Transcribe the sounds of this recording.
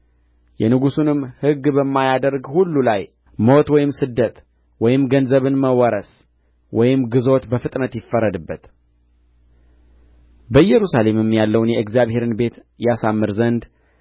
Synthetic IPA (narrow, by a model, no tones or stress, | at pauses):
jɛnɨɡusunɨmhɨɡːbəmːajad̪əɾɡhulːulaj | mo̞t̪wɔjɪmsɨd̪ːət̪ | wɔjɪmɡənzəβɨnməwɔɾəs | wɔjɪmɡɨzo̞t̪bəfɨt̪ʼnət̪jɪfːəɾəd̪ɨbːət̪ | bəjɛɾusale̞mɨmjalːəwnjɛɨkzijaβhe̞ɾɨnbe̞t̪ | jasamːɨɾzənd̪